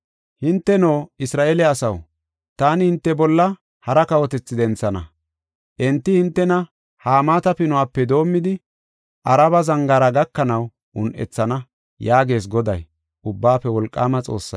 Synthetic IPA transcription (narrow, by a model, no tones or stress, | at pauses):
hɪnt̪ːɛnoːɪsɾaːʔeːlɛɐsɐw | t̪aːnɪhɪnt̪ːɛbɔlːɐ | hɐɾɐkɐwɔt̪ɛt͡sːɪd̪ɛnt͡sːɐnɐ̰ | ʔɛnt̪ːɪhɪnt̪ːɛnɐ | haːmaːt̪ɐpɪnʊwaːpːɛd̪o̞ːmːɪd̪ɪ | ʔɐɾɐbɐzɐŋɡaɾɐɡɐkːɐnɐw | ʔʊnʔɛ̰t͡sːɐnɐ | jaːɡe̞ːs̬ɡɔd̪ɐ̰j | ʔʊbːaːpːɛwɔlkʼːaːmɐt͡sʼo̞̰ːsːɐ̰